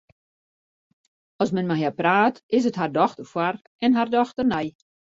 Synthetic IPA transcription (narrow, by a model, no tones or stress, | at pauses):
ɔsmɛnmaɦjapraːtɪs̬ətɦardɔxtərfwar | ɛnɦardɔxtərnɛj